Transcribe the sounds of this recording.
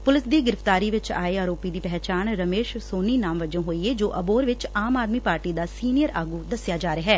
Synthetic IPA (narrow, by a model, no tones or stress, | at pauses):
pʊlɪsd̪iːɡɪɾəft̪aːɾiːʋɪt͡ʃa̰ːeaːɾoːpiːd̪iːpɛɦt͡ʃaːnɾəmeːʃsoːniːnaːmʋəd͡ʒõːɦoːiːeːd͡ʒoːʔəboːɾʋɪt͡ʃaːmaːd̪miːpaːɾʈiːd̪aːsiːnijəɾaːɡuːd̪əsɪjaːd͡ʒaːɾeɦɛː